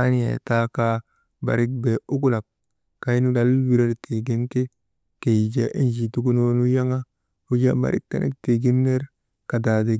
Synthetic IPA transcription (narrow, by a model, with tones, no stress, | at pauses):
a˦ni˦jḛ˨ta˦ka˦ | ba̰˨ɾi˦k̚be˨u˦ku˦la˨b̚ | ka˦jnu˦da˦lwi˦ɾa˦dtʰe˨ɡi˦nke˦ | ke˨d͡ʒa˨ʔi˦nd͡ʒi˨tu˦ku˦no˦nu˦ja˦ŋa˦ | u˦d͡ʒa˦ba̰˨ɾḭ˦k̚ta̰˨nʔḛ˦k̚te˨ɡi˦nːe˦ɾ | ka˨da˨de˨